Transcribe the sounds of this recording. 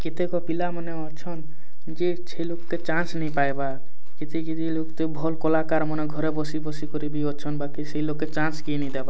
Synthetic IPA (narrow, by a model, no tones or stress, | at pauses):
kit̪ekɔpilamɔneɔt͡ʃʰɔn | d͡ʒe | t͡ʃʰeilokket͡ʃãsnəĩpaebaɾ | kit̪ikit̪ilokt̪ebʱɔlkɔlakaɾməneɡʱɔɾebɔsibɔsikɔɾibʱiɔt̪t͡ʃʰɔnbakiseilokːet͡ʃãnskinĩd̪eba